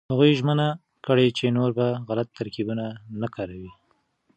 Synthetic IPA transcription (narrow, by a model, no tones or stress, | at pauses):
haɣujʒməna | kəɽet͡ʃenoɾbaɣalat̪ːaɾkibunanakaɾawi